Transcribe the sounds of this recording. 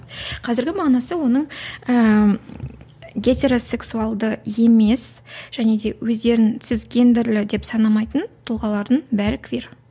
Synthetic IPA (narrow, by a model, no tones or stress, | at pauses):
qʰɑzɪɾɡʲɪmɑʁnɑsəwo̞nəɴə | ɡʲe̞t̪e̞ɾo̞se̞ksuɑlˠd̪əje̞me̞sʒ̥æne̞d̪e̞wɵzd̪e̞ɾɪŋt̪sɪzɡʲe̞nd̪ɪɾlɪd̪e̞psɑnɑmɑjt̪ənt̪ʰʊlˠʁɑlˠɑɾd̪ənbæɾɪkʲʰɪveɾ